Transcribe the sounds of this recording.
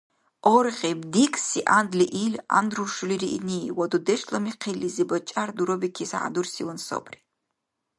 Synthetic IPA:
orʁʲebdikʼsiʔand̪liʔilʲa̰nd̪ruʂuliɾiʔiniwad̪ud̪eʃlamiqʰelːizibat͡ʃʼard̪uɾobikʲʰisa̰ʕa̰d̪ursiwanso̰bʰʼri

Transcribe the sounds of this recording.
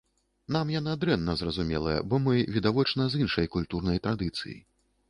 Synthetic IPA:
namjanad̪ɾɛnːɐzrɐzumʲɛ̰lˠɐ̰jɐ̰bɔmɨvʲid̪avɔt͡ʂnɐzinʂɐjkulʲt̪uɾnɐjt̪ɾad̪ɨt̪sɨ̰jḭ

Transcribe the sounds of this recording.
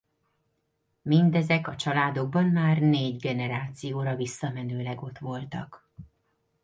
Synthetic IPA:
mind̪ɛzɛkɒt͡ʃɒlaːd̪o̞ɡ̚bɒnmaːrneːɟɡɛnɛɾaːt̪sijoːɾɒvisːɒmɛnøːlɛɡo̞t̪ʋo̞lt̪ɒ̰k

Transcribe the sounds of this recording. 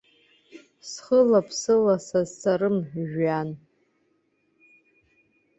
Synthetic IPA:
sχəlapʰsɨlasazt͡sʰaɾɨmʒᶣan

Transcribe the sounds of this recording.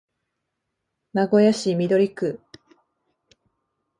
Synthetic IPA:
naɡo̞jaɕimʲid̪o̞ɾʲikɯ

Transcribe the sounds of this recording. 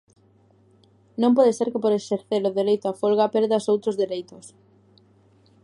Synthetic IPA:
nõmp̬ɔðeseɾkɪpoɾeseɾθeɾʊðeɾejt̪ʊafolɣapeɾðasowt̪ɾozðeɾejt̪ʊs

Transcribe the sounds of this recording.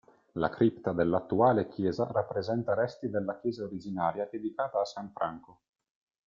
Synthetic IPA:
la̰kɾipt̪ad̪elːat̪ːuaːlek̟jɛːzarapːɾezɛnt̪aɾɛst̪id̪elːakjɛːzaoɾid͡ʒinaːɾjad̪ed̪ikaːt̪aːsaɱfɾʔaŋko

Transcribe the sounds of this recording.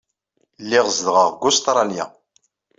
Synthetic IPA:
lːɪʁzðʁəʁɡʊst̪ɾˤɑnja̰

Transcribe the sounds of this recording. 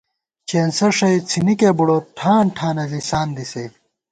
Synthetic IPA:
t͡ɕeːnsɐʂɐjt͡sʰinikebuɽoʈʰaːɳʈʰaːnɐzisaːnd̪isɐj

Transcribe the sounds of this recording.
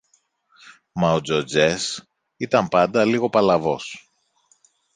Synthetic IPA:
mɐod͡zod͡zes | it̪ɐmpɐnd̪ɐliɣo̞pɐlɐvo̞s

